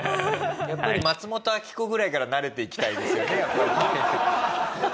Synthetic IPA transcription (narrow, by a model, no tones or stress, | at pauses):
japːaɾʲimat͡sɨmo̞t̪o̞akʲi̥ko̞ɡɯ̟ɾaikaɾanaɾe̞t̪e̞ikʲi̥t̪aidd̪e̞sɨjo̞ne̞japːaɾi